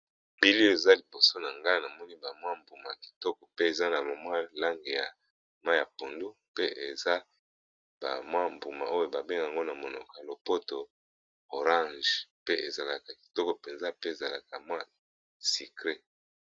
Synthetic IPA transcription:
bi˦li˦o˦e˨za˦li˨bo˨so˦na˨ŋɡa˦na˨mɔ˦ni˦ba˨mwa˦mbu˨ma˨ki̥˨tɔ˦kɔ˨pe˦e˨za˦na˨mo˨mwa˦la˦ŋɡe˨ja˨ | ma˦ja˨po˨ndu˦pe˦ʔe˨za˦ | ba̰˨mwa˦mbu˨ma̰˨o˦jo˦ba˨be˦ŋɡa˨ŋɡo˦na˨mo˨nɔ˨kɔ˨a˨lo˨po˦to˨ | o˨ʁã˦ʒpe˦e˨za˨la˨ka˨ki̥˨tɔ˦kɔ˨pe˨nza˦pe˦e˨za˨la˨ka˨mwa˦ | si˨kʁe˦

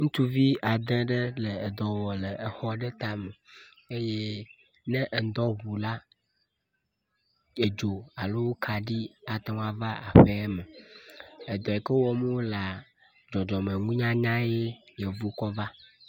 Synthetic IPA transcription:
ŋũ˦t̪u˦vi˦a˨d̪ɛ̃˦ɖə˦lə˨e˨d̪ɔ˨wɔ˨lə˨e˨xɔ˦ɖe˦t̪a˨mə˨ | e˦je˦ | nɛ̃˦ʔe˨n˦d̪ɔ˦βu˨la˦ | e˨d͡ʒo˨a˨lo˦wo˦kʰa˨ɖi˦a˨t̪ɔ̃˦a˦va˦a̰˨ɸe˦ɛ˦mə˨ | e˨d̪ɔ˨ɛ˨kə˦wɔ˦m˦wo˦la˨ | d͡ʒɔ˨d͡ʒɔ˨mẽ˨ŋũ˦ɲã˦ɲã˦je˦je˨vu˦kɔ˦va˦

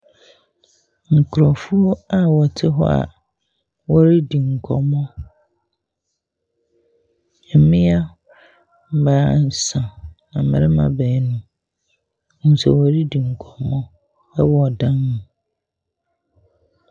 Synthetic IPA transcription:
ŋ̩˨kʰʊ˨ɾɔ˨fʊ˦a˨wɔ˨tʰɪ˦ɦɔ̰˦a̰˨ | wɔ˦ɾi˦di˨ŋ̩˨kʰɔ̰˨mɔ̃˦ | ɛ˨mɪ̃˦a˦ | m̩˨baː˨˦˨n̩˨˦sã˨nã˨mɪ̃˨ɾɪ˦mã̰˨bɛː˨˦nũ˦ | n̩˨sɛ̰˨wɔ˨ɾi˦di˨ŋ̩˨kʰɔ˨mɔ̃˦ | ɛ˦wɔ˦ɔ˨dã˦nːũ˨

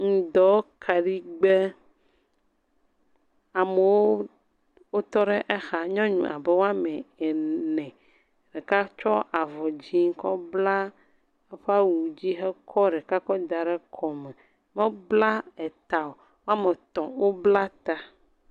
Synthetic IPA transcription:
ŋ̩̃˨d̪ɔ˨˦kʰa˨ɖi˦ɡ͡be˦ | a˨me˨wo˦ | wo˦t̪ɔ˦ɖɛ˦ʔɛ˦xa˨ɲɔ̃˦ɲṵ̃˨ʔa̰˨bɛ˦wo˦a˦me˨e˨nɛ̃˨ | ɖɛ˨ka˦t͡ʃɔ˦ʔa˨vɔ˨d͡ʑi˦ŋ̩˦kɔ˦bla˦ | e˦ɸa˦wu˨d͡ʑi˦xɛ˦kʰɔ˦ɖɛ˨ka˦kɔ˦d̪a˨ɖɛ˦kʰɔ˨mɛ˨ | me˦bla˦ɛ˨t̪a˨o˨ | wo˦a˦me˨t̪ɔ̃˨wo˦bla˦t̪a˦

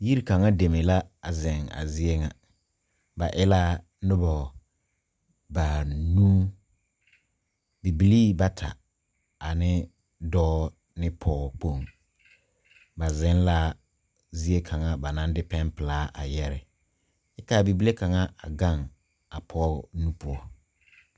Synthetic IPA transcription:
ji˦ɾi˦ka˨ŋa˦de˨me˨la˦a˨zɪ˨ŋa̰˨zi˦e˦ŋa˨ | ba˨ʔɪ˦la˦ | nʊ˦bɔ˨ | ba˨nũː˦ | bi˨bi˨liː˦ba˦tʰa̰˨ | a˨nɪ˦ | dɔː˦ | nɪ˦pʰɔː˦k͡po˦˨ŋ | ba˨zɪ˦n˦la˦ | zi˦e˦kʰa˨ŋa˦ba˨nã˦ndɪ˦pɛ˦npɪ˨laː˦ʔa˨jɛ˦ɾɪ˨ | ɪ˦ka˦˨bi˨bi˦le˦ka˨ŋa˦ʔa˨ɡa˦˨ŋ | a˨pʰɔ˦nũ˦pʊ˦ɔ˦

